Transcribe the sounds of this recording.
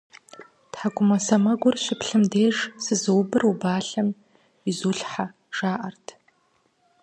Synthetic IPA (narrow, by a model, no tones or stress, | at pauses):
tħaɡʷʊmɐsɐmɐɡʷʊrɕɪpɬɨmdeːʒsɨzɨwbɨrubaːɬɐm | izuːɬħa | ʒ̥aːʔɐrtʰ